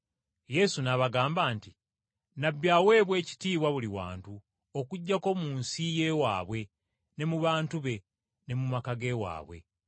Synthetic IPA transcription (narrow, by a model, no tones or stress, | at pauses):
je̞sunaβaɡaːmbaːnti | nabːjawe̞ːβwe̞ːci̥tiːβwaβuliwa̰ːntu | okuɟːako̞muːnsije̞ːwa̰ːβwe̞ | ne̞muβaːntuβe̞ | ne̞mumakaɡe̞wa̰ːβwe̞̰